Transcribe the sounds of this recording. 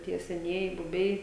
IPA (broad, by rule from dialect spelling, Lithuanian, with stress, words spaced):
ˈtʲiɛ sʲɛˈnʲiɛjɪ bʊˈbʲɛɪ